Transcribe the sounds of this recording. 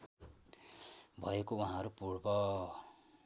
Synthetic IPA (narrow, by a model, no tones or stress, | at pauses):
bʱʌekouɦãʌɾupuɽbʌ